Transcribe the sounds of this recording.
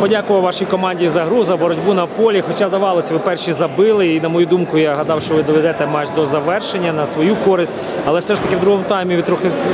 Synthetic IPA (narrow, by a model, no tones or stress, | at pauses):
pɔdʲakʊʋɐwʋɑʃijkɔmɑnʲdʲijizɐɦɾuzɐbɔɾɔdʲbunɐpɔlʲixɔt͡ʃad̪ɐʋɑlˠɔsʲɐʋɪpɛrʃizɐbɪlˠɪinɐmɔjud̪umkʊjaɦɐd̪ɑwʃt͡ʃɔʋɪd̪ɔʋɛd̪ɛt̪ɛmɑʒd̪ɔzɐʋɛrʃenʲːɐnɐsʋɔjukɔɾɪsʲtʲ | ɐlˠɛwsɛʒt̪ɐkʲɪwd̪ɾuɦɔmʊt̪ɑjmʲiʋʲit̪ɾɔxɪwʲ